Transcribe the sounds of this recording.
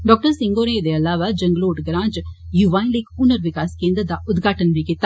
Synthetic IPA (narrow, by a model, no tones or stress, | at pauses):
ɖɔːk̚ʈəɾsɪ̃ŋɡoːned̪eːəlaːʋaːd͡ʒəŋɡloːʈɡɾãːɲt͡ʃjuʋaːinlɪkʊnəɾʋɪkaːskẽːnd̪əɾd̪aːʔʊd̪ɡʱaːʈənʋiːkɪt̪aː